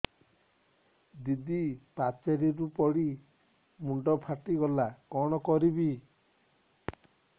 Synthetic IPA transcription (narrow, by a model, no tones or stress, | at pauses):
d̪id̪ipat͡ʃeɾiɾupɔɽi | muɳɖɔpʰaʈiɡɔlakɔɽ̃ɔkɔɾibi